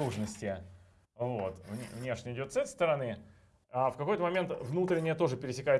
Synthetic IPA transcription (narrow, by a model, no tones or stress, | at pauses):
uʐnəsʲtʲɪ | vot̪vʲvnʲeʂnʲəɪdʲo̞t̪sɛt̪əɪjst̪əɾɐnɨ | afkɐko̞jt̪əmɐmʲe̞nt̪vnut̪ɾʲɪnʲːɪjət̪o̞ʐɨpʲɪɾʲɪsʲɪkajɪ